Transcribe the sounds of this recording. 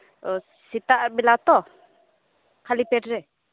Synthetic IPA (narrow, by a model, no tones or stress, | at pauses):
sit̪aʔbilat̪ɔ | kʰalipɛʈɾɛ